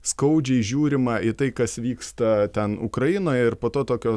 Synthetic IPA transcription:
skɐʊd͡ʒʲɛɪʒʲuːɾʲɪmɐʔɪt̪ɐɪkɐsʋʲiːkst̪ɐt̪ʲɛnʊ̰kɾɐjɪnoːjɛɪrpoːt̪oːt̪oːkʲoː

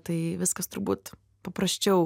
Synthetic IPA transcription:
t̪ɐɪʋʲɪskɐst̪ʊɾbuːt̪ | pɐpɾɐsʲt͡ʃʲɛʊ

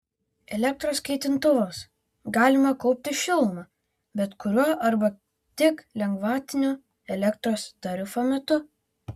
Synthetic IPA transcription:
ɛlʲɛk̚t̪ɾoːskʲɛɪt̪ʲɪnt̪ʊʋoːs | ɡɑːlʲɪmɐkɔʊpʲt̪ʲɪʃʲɪlˠmɑ | bʲɛt̪kʊɾʲuɔʔɐɾbɐ | t̪ʲɪklʲɛŋɡʋɑːt̪ʲɪnʲoː | ɛlʲɛkt̪ɾoːst̪ɐɾʲɪfoːmʲɛt̪ʊ

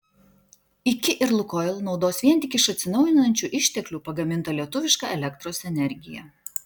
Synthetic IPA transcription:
ɪkʲɪʔɪɾlˠʊkɔlˠnɒʊd̪oːsʋʲiɛnʲt̪ʲɪkʲɪʃɐt̪ʲsʲɪnɒʊjɪnɐnʲt͡ʃʲuːʔɪʃʲt̪ʲɛklʲuːpɐɡɐmʲɪnt̪ɐlʲiɛt̪ʊʋʲɪʃkɑˑɛlʲɛkt̪ɾoːsɛnʲɛɾʲɡʲɪjɛ̰

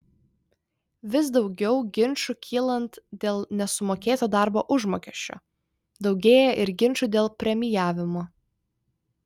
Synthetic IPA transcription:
ʋʲɪs̬d̪ɒʊɡʲɛʊɡʲɪnʲˑʃʊkʲʰiːlˠɐnt̪d̪ʲeːlˠnʲɛsʊmoːkʲeːt̪oːd̪ɑˑɾboːʔʊʒmoːkʲɛʃʲt͡ʃʲo̰ː | d̪ɒʊɡʲeːjɛʔɪɾɡʲɪnʲˑʃʊd̪ʲeːlˠpʲɾʲɛmʲɪjæːʋʲɪmoː

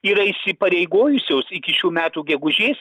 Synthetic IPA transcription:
iːɾɐɪsʲɪpɐɾʲɛɪɡoːjʊsʲoːsɪkʲɪʃʲuːmʲæːt̪uːɡʲɛɡʊʒʲeːs

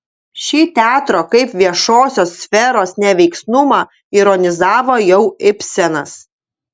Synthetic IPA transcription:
ʃʲiːt̪ʲæːt̪ɾoːkɐɪpʋʲiɛʃoːsʲoːsːʲfʲɛɾoːsnʲɛʋʲɛɪksnʊmɑː | iɾɔnʲɪzɑːʋoːjɛʊɪpʲsʲɛnɐs

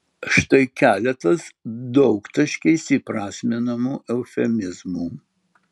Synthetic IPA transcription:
ʃt̪ɐɪkʲæːlʲɛt̪ɐsd̪ɒʊkt̪ɐʃʲkʲɛɪsʲipɾɑːsʲmʲɪnɐmuːʔɛʊfʲɛmʲɪzmuː

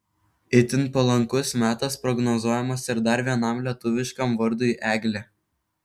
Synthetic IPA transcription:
ɪt̪ʲɪnˑpɐlˠɐŋkʊsmʲæːt̪ɐspɾɔɡnɔzuɔjɛmɐsɪɾd̪ɐɾʋʲiɛnɐˑmlʲiɛt̪ʊʋʲɪʃkɐmʋɐɾd̪uːiʔæːɡʲlʲe

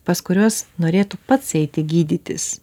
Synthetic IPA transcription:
pɐskʊɾʲoɔsnoːɾʲeːt̪upɐt̪sɛɪt̪ʲɪɡʲiːd̪ʲɪt̪ʲɪ̰s

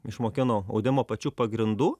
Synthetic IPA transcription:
ɪʃmoːkʲɪnoːɐ̰ʊd̪ʲɪmoːpɐt͡ʃʲuːpɐɡɾʲɪnd̪uː

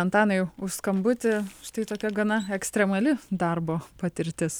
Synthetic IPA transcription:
ɐnt̪ɑːnɐjʊʃskɐmbʊt̪ʲɪʃt̪ɐɪt̪oːkʲɛɡɐnɐɛksʲt̪ʲɾʲɛmɐlʲɪd̪ɐrboːpɐt̪ʲɪɾʲt̪ʲɪs

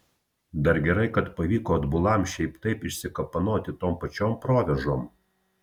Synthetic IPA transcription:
d̪ɐɾɡʲɛɾɐɪkɐt̪pɐʋʲiːkoːɐd̪bʊlˠɐmʃʲɛɪpt̪ɐɪpɪʃʲsʲɪkɐpɐnoːt̪ʲɪt̪oːmpɐt͡ʃʲoːmpɾoːʋʲɛʒoːm

